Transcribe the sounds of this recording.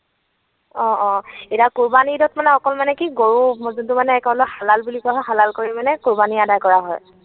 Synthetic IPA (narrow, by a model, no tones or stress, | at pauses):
ɔ̃ɔ̃etakuɹbanidɔtmanɛɔkɔlmanɛkiɡoɹumzuntumanɛːkɔlɔjxalalbulikɔaɦɔjxalalkoɹimanɛkuɹbaniadajkɔɹaɦɔ̰j